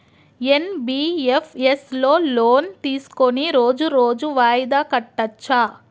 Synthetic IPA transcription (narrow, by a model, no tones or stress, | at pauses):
enbiːepʰeslo̞ːloːnt̪iːsu̥koniɾo̞ːd͡ʒuɾo̞ːd͡ʒuʋaːjid̪aːkɐʈːɐt͡ʃːaː